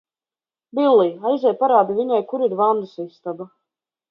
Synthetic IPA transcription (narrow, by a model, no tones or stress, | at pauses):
bilˠːijajzʲɛjpaɾaːd̪ivʲiɲajkuɾiɾvand̪usist̪aba